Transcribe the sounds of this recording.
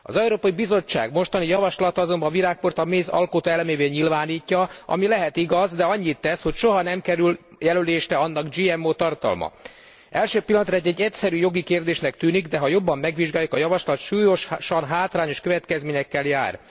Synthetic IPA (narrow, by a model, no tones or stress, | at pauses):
ɒ̰zɛuɾoːpɒibizo̞t͡ʃːa̰ːɡmo̞ʃt̪ɒnijɒvɒʃlɒt̪ɒzo̞mbɒviɾaːk̚port̪ɒmeːzɒ̰lkot̪ɛlmeːveːɲilvaːniːcːɒʔɒ̰milɛɦɛt̪iɡɒzd̪ɛɒɲːit̪ːɛshocʃo̞ɦɒnɛmkɛɾyl | jɛløleːʃrɛɒnːɒɡd͡ʒiɛmːoːt̪ɒrt̪ɒ̰lmɒ̰ | ɛlʃøːpilːɒnt̪rɒɛɟːɛɟːɛcsɛɾyːjo̞ɡikeːrd̪eːʃnɛkt̪yːniɡd̪ɛɦɒjo̞bːɒmːɛɡʋiʒɡaːjukɒjɒvɒʃlɒt̪ʃuːjo̞ʃʃɒnɦaːt̪raːɲo̞ʃkøvɛt̪kɛzmeːɲɛkːɛlja̰ːr